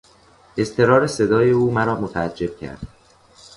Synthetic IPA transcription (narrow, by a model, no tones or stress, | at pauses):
ʔe̞st̪ʰe̞ɾɒːɾese̞d̪ɒːje̞uːmæɾɒːmot̪ʰææd͡ʒːe̞b̥̚cʰæ̰ɾd̪̥